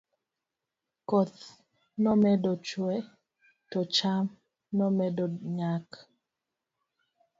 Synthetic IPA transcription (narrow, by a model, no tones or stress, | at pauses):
kɔt̪ | nɔmɛdɔt͡ʃwɛ | tɔt͡ʃam | nɔmɛdɔɲak